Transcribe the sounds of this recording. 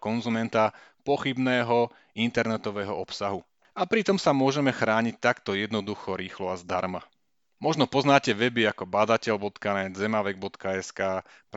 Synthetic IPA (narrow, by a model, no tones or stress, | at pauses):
kɔnzumɛnt̪apɔxibnɛːɦɔ | int̪ɛɾnɛt̪ɔʋɛːɦɔɔpsaɦu | apɾit̪ɔmsamʊɔʒɛmɛxɾaːɲic̚t̪akt̪ɔjɛd̪nɔd̪uxɔɾiːxlɔazd̪aɾma | mɔʒnɔpɔznaːcɛʋɛbiakɔbad̪acɛʎbɔt̪kanɛd̪zɛmaʋɛɡ̚bɔt̪kaɛskaː | p